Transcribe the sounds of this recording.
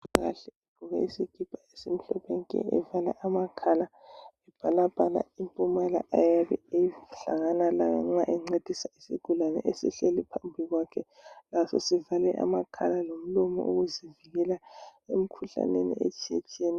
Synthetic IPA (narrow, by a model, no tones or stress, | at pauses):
ɣa̰ɬɛeb̥ʱuɣa̰isiɡ̥ʱib̥ʱʼaesim̩ɬɔpʰɛŋkʼɛ̰ɛ̰vala̰ʔamakʰala | ɛb̥ʱalabʱʼana̰impʼumala̰ʔajaβɛejiɬa̰ŋanalajɔŋ͡ǁaʔɛŋ͡ǀed̥ʱisaisḭɡ̥ʱulanɛ̰ʔesḭɬelipʰambʱiɣwakʰɛ | lasɔsivalɛʔa̰makʰalalom̩lɔmɔ̰ʔoɣuziviɣɛlaem̩kʰuɬa̰nenḭʔḛt͡ʃʼiḛt͡ʃʰʼieni